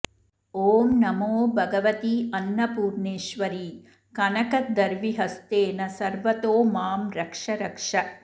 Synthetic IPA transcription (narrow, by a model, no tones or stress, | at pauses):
oːmnɐmoːbʱɐɡɐʋɐt̪iɐnːɐpuːɾɳeːʃʋɐɾiː | kɐnɐkɐd̪ɐɾʋiɦɐst̪eːnɐsɐɾʋɐt̪oːmaːmɾɐkʂɐɾɐkʂɐ